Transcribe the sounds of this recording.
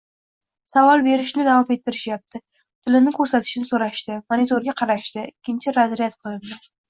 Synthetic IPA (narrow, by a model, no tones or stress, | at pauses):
savɒlˠbe̞ɾɪʃnɪd̪avɒme̞t̪ʰːɪɾɪʃjap̚t̪ʰɪ | t̪ʰɪlɪnɪkʰɵɾsat̪ʰɪ̥ʃɪnɪsoɾaʃt̪ɪmonit̪ʰoɾɡʲaqʰɑɾaʃt̪ɪɪkʲʰːɪnt͡ʃʰɪɾazɾijat̪qʰɨlˠɪnd̪ɪ